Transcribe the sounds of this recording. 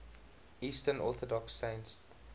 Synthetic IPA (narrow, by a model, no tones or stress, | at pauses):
iːstənɔθədɔksːẽɪ̃nts